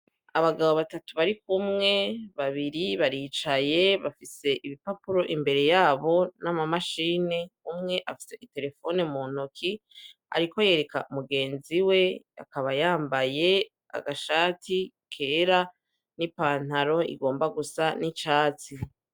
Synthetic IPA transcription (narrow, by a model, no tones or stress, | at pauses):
aβaɡaβoβatatuβaɾikumŋe̞βaβiɾiβaɾiːt͡ʃaje̞βafise̞ʔiβipapuɾo̞ʔimbe̞ɾe̞jaːβo̞namamaʃiːne̞umŋe̞ʔafi̥se̞ʔite̞ɾe̞fo̞nemuːn̥okʰi | a̰ɾiko̞je̞ɾe̞ka̰umuɡe̞ːnziwe̞a̰kaβajaːmbaje̞ | a̰ɡaʃaːtʰi | kʰe̞ːɾa | nipaːn̥aɾo̞ḭɡo̞ːmbaɡusanit͡ʃaːt͡si